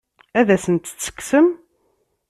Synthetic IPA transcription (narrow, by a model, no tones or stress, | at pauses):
æðæsənt̪t͡sːə̥kːsəm